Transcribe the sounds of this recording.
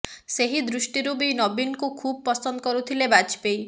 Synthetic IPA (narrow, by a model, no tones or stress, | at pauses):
seɦid̪ɾusʈiɾubinɔbinkukʰub̚pɔsɔnd̪ɔkɔɾut̪ʰilebat͡ʃpej